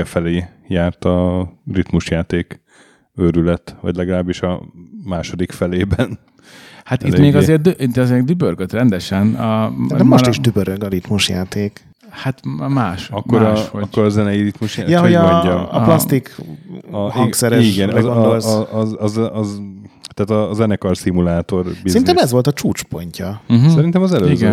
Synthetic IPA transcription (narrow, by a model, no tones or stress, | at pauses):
ɛfɛleː | jaːrt̪ɒrit̪muʃjaːt̪eːk | øɾylɛt̪vɒ̰ɟlɛɡɒlaːbiʃɒmaːʃo̞d̪ikfɛleːbɛn | hat̪imeːɡɒzeːrt̪dʔit̪ɒzeːrd̪ybørɡøt̪rɛnd̪ɛʃɛnɒd̪ɛmot̪iʒd̪ybøɾøɡɒɾit̪muʃjaːt̪eːk | hat̪maːʃɒkːoɾʃhoɒkːoɾɒzɛnɛjiɾit̪muʃjjɛɦojɒɔm̰ːlɒst̪ik | hɒŋksɛɾɛʃiɡɛnɡond̪olsɒzzt̪aːt̪ɒːzɛnɛkɒrsimulaːt̪o̞rbisɛinɛmɛzʋo̞lt̪ɒt͡ʃuːt͡ʃpo̞̰ɲcɒɦsɛɾint̪ɛmɒzɛløizɡɛn